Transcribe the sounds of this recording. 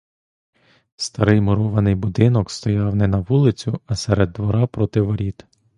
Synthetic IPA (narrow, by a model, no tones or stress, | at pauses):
st̪ɐɾɪjmʊɾɔʋɐnɪjbʊd̪ɪnɔkst̪ɔjɑwnɛnɐʋulˠɪt͡sʲʊɐsɛɾed̪ːʋɔɾɑpɾɔt̪ɪʋɔɾʲit̪